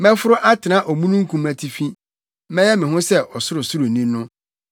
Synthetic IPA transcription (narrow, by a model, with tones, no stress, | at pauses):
mɛ̃˦fʊ˦ɾʊ˦ʔa˦tʰɪ˨nã˦ʔɔ˨mũ˦nũ˦ŋ̩˦kʰũ˦mæ˨tʰi˨fĩ˦ | mɛ̃˦jɛ˦mɪ̃˨ɦʊ̃˦sɛ˦ʔɔ˨sʊ˦ɾʊ˨sʊ˦ɾʊ˨nĩ˦nʊ̃˦